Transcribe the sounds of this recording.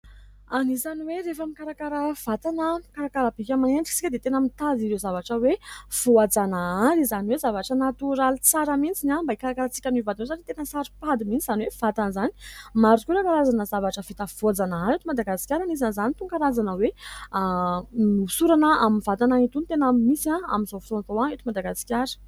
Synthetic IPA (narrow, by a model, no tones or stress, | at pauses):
anizaniweɾefamikaɾakaɾəv̥at̪anəkaɾakaɾəb̥ikʲamaneɳʈ͡ʂi̥si̥kʲəd̪et̪enamit̪aziɾewzavaʈ͡ʂəwev̥oad͡zanaaɾizaniwezavaʈ͡ʂənat̪uɾalit͡saɾamint͡sinʲambaikaɾakaɾat͡si̥kʲanivad̪inwezanit̪enəsaɾipad̪imint͡siz̥aniwev̥at̪anəzani̥maɾukʲuɾekaɾazanəzavaʈ͡ʂəvit̪əv̥oad͡zanaaɾet̪umad̪aɡasi̥kʲaɾanizanzanit̪uŋkaɾazanəwe | nusuɾanəaminvat̪anait̪unt̪enamisiãa̰minzofisont̪oãet̪umad̪aɡasi̥kʲaɾə̥